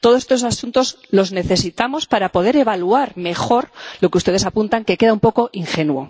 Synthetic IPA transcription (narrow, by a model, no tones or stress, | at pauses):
t̪oðosest̪osasunt̪o̞z | lo̞zne̞θe̞sit̪amo̞spaɾapo̞ð̞e̞ɾe̞βaluaɾme̞xo̞ɾlo̞keust̪eðe̞sapunt̪aŋke̞ke̞ð̞aumpoko̞ʔiŋxe̞nwo̞